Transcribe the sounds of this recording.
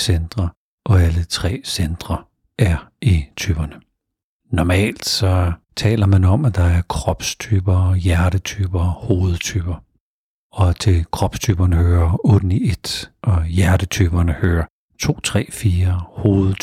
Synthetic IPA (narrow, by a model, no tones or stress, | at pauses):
send̥ʁɐ | ʔɒ̽ælət͡sʰʁɛ̰ːsend̥ʁɐ | ʔæɐʔit͡sʰyːb̥ɐnə | nɒmɛ̰ːld̥sɒ̽ | t͡sʰɛ̰ːlɐmænɒ̽mæd̥ɑ̈æɐkʰʁɒb̥st͡sʰyːb̥ɐjæɐɾ̥ət͡sʰyːb̥ɐhoːð̩ˠt͡sʰyːb̥ɐ | ɒ̽t͡sʰe̝kʰʁɒ̽b̥st͡sʰyːb̥ɐnəhøːɐɔːd̥n̩ied̥ʔɒ̽jæɐd̥ət͡sʰyb̥ɐnəhøːɐ | t͡sʰo̝̰ːt͡sʰʁɛ̰ːfiːɐho̝ːð̩ˠ